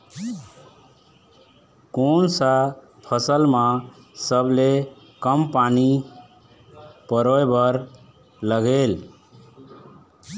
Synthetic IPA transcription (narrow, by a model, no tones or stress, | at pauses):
konsa | pʰəsəlmã | səble | kəmpani | pəɾojbəɾ | ləɡel